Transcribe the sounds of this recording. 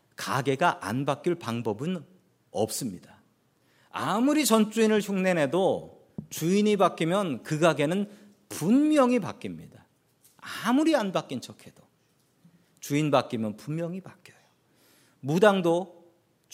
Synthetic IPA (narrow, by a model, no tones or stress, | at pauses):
kaɡe̞ɡaʔa̰nbak͈iɭpaŋbʌbɯn | ʌ̰p̚s͈ɯmɲida | amuɾit͡ɕʌnt͡ɕ͈uinɯɭɕʰuŋne̞nɦe̞do | t͡ɕuiɲibak͈imjʌnkɯɡaɡe̞nɯn | punmjʌŋipa̰k͈imɲida | amuɾianbak͈int͡ɕʰʌkʰed̥o | t͡ɕuinbak͈imjʌnpunmjʌŋipak͈jʌjo | mudaŋdo